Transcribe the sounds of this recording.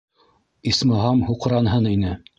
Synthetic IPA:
ismɤ̆ɦɑmhuq̆ɾɑnɦɤninɘ

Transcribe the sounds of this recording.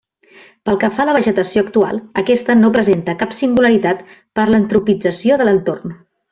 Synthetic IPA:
pəlˠkəfaləβəʒət̪əsioəkt̪ua̰lˠəkɛst̪ənopɾəzent̪əkapsiŋɡuləɾit̪at̪ | pəɾlənt̪ɾupid͡zəsioðələnt̪orn

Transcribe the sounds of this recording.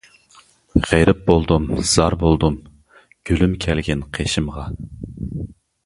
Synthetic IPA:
ʁ̥eɾɪp̚bolˠd̪umz̥ɑɾbolˠd̪um | ɡ̥ʲylymkʲʰɛlɡʲɛnqʰeʃɪmʁɑ

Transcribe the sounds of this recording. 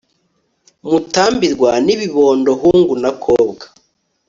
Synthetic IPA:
mutaːmbiɾɡwaniβiβo̞ːndoɦuːŋɡunakʰoːbɡḁ

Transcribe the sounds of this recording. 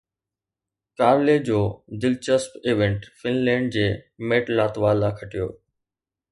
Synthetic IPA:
kaːɾled͡ʑoːd̪ɪlt͡ɕəspeːʋẽɳʈfɪnlɛ̃ːɳɖ̚d͡ʑeːmeːʈlaːt̪ʋaːlːaːkʰɐʈijo̰ː

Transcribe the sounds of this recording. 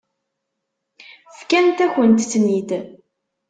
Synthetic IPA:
fkænt̪æçənt̪ːnit̪

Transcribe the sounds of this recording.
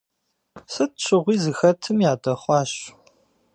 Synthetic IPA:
sɨt̚ɕʷʰɨʁʷiːzɨxɐtʰɨmjaːdɐχʷɑːɕ

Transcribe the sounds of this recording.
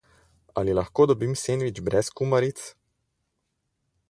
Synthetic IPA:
alilaxkoːd̪ɔbimseːnʋit͡ʃbɾɛskumaɾit̪s

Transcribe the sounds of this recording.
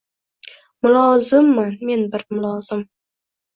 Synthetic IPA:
mʊlˠɒzɪmːanme̞nbɪɾmʊlˠɒz̥ɪm

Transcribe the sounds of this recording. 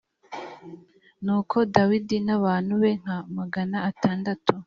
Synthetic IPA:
nuːkʰo̞dawidinaβaːn̥huβe̞ŋ̥hamaɡanaːtaːndatu

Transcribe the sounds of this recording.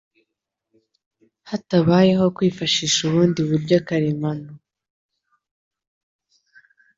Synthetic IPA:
hataβaːje̞ɦo̞kwiːfaʃiːʃuβuːndiβubɟakaɾemano

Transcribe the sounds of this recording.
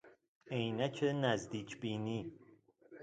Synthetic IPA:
ejnæcʰenæzd̪iːcʰbiːniː

